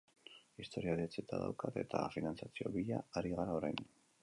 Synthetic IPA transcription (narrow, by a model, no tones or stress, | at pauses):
ist̪o̞ɾiaðiat͡set̪aða̰wkat̪e̞t̪a̰finant͡sat͡sio̞̰βiʎaːɾiɣaɾaoɾajn